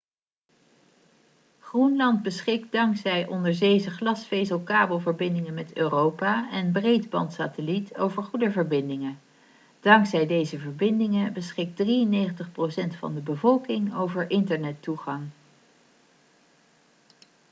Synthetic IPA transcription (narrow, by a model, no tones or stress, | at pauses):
χrunlɑndbəsχɪk̚dɑŋksɛjʔɔndəɹdejzəχlɑsfejzəlˠkaːbəlˠvəɹbɪndɪŋənmɛtøːrowpaːɛnbrejdbɑ̰ntsaːtəlito̰wvəɹχudəvəɹbɪndɪŋə | d̥ɑŋksɛjdejzəvəɹbɪndɪŋəbəsχɪk̚driənejχəntəχprosɛntfɑ̰ndəbəvɔlˠkɪŋowvəɹʔɪntəɹnɛtuχɑŋ